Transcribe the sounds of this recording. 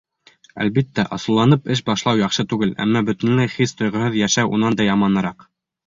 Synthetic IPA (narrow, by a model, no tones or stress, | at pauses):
æ̰lβit̪ːæʔɑ̰sɤ̆lˠːɑnɤpɘʃ̬bɑʃlˠɑwjɑχʃɤt̪ʉɡɘlʔæ̰mːɑbɵ̆t̪ɘ̆nlæjχist̪ŏjʁɤ̆hɤðjæʃæwʔunɑnd̪ɑjɑmɑnɤ̆ɾɑq